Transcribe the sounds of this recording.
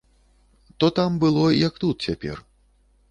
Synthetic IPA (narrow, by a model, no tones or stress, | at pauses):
t̪ɔt̪ambɨlˠɔjɐk̚t̪ut̪̚t͡sʲapʲɛ̰r